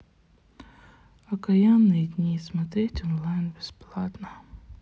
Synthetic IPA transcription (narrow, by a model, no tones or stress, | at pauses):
ɐkɐjanːɨjd̪ʲnʲismɐt̪ɾʲetʲɔnlˠajnbʲɪsplˠat̪nə